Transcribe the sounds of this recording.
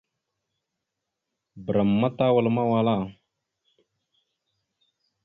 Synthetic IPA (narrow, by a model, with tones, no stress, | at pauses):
bə˨ɾa˨mːa˦t̪a˦wa˨lma˦wa˨la˦˨